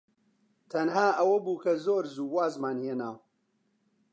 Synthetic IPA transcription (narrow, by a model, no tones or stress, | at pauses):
t̪ʰɐnhaːʔɐwɐbuːkɐzoːɾzuːwaːzmaːnhenaːw